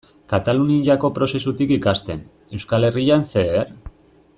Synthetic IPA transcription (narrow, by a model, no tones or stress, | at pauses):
kat̪aluniʎako̞pɾo̞se̞sut̪ikikast̪e̞n | e̞wskale̞rianse̞eɾ